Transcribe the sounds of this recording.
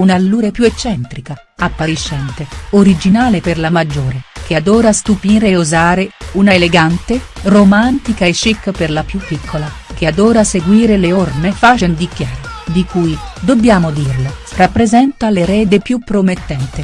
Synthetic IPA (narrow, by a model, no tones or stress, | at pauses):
unalːuːɾepjuet͡ʃːɛnt̪ɾika | apːaɾiʃːɛnt̪eoɾid͡ʒinaːleperlamad͡ʒːoːɾek̟ead̪oːɾast̪upiːɾeuzaːɾeunaeleɡant̪eromant̪ikaet͡ʃːikːperlapjupːikʰːola | kead̪oːɾaseɡwiːɾeleornefat͡ʃend̪ikjaːɾad̪ikuːjd̪obːjaːmod̪irla | rapːɾezɛnt̪aleɾɛːd̪epjupːɾomet̪ːɛnt̪e